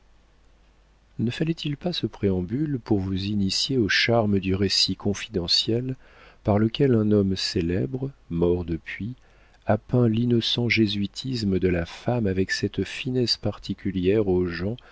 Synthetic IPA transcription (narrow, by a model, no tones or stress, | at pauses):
nəfalɛt̪ʰilpasəpχeɑ̃bylpuʁvuzinisjeoʃaʁməd̪yʁesikʰɔ̃fid̪ɑ̃sjɛl | paʁləkʲɛlɛ̃nɔmselɛbʁmɔʁd̪əpɥi | apɛ̃linɔsɑ̃ʒezɥit̪ʰisməd̪əlafamavɛksɛt̪finɛspaʁt̪ʰikʲyljɛʁoʒɑ̃